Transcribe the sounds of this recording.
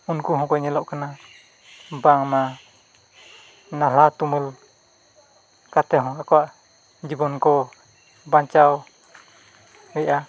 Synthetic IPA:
unkuɦɔ̃kɔjɲɛlɔʔkana | baŋma | nalat̪umul | kat̪ɛɦɔ̃akɔwaʔ | d͡ʒibɔnkɔ | baɲt͡ʃaw | ɛjʔa

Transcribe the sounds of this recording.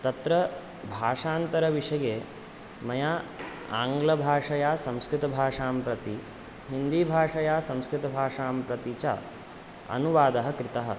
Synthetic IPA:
t̪ɐt̪ɾɐ | bʱaːʂaːnt̪ɐɾɐʋiʂɐjeː | mɐjaː | a̰ːŋɡlɐbʱaːʂɐjaːsɐ̃mskɾɪt̪ɐbʱaːʂaːmpɾɐt̪i | ɦind̪iːbʱaːʂɐjaːsɐ̃mskɾɪt̪ɐbʱaːʂaːmpɾɐt̪it͡ʃa̰ | ɐ̰nuʋaːd̪ɐɦɐkɾit̪ɐɦɐ̰

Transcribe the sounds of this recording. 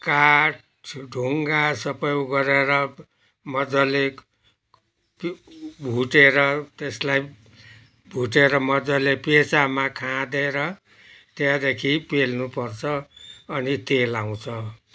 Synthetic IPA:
kaʈ | ɖʱuŋɡasʌpʌjɡʌɾeɾʌ | mʌd͡zʌle | pbʱuʈeɾʌt̪eslaj | bʱuʈeɾʌmʌd͡zʌlepet͡samakʰãd̪eɾʌ | t̪jãd̪ekʰipelnupʌrt͡sʰʌʌnit̪elaw̃t͡sʰʌ

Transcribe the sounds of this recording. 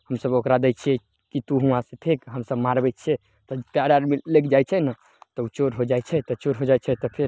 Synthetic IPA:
həmsəbokɾad̪ɛt͡ʃʰiɛ | kit̪uɦũãsẽt̪ʰekɦəmsəbmaɾbɛt͡ʃʰɛ | t̪ɔpjaɽaɾmilekʰd͡ʒajt͡ʃʰɛnə | t̪ɔut͡ʃoɾɦod͡ʒajt͡ʃʰɛt̪ɔt͡ʃoɾɦod͡ʒajt͡ʃʰɛt̪ɔpʰeɾ

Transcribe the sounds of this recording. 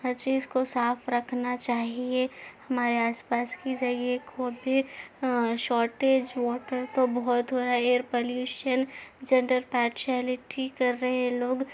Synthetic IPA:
əɾt͡ʃiːzkosaːpʰɾɐkʰnat͡ʃaːɦiehɐmaːɾeaːspaːskid͡ʒɐɾiekobi | ʃɔːʈeːd͡ʒʋɔːʈəɾt̪obɔɦɔt̪ɦoːɾaɛeːəɾpoljuːʃənd͡ʒɐ̃ɳɖəɾpɛːɾʃiaːlɪʈʰikːɐɾːəɦẽɦɛ̃loːɡ

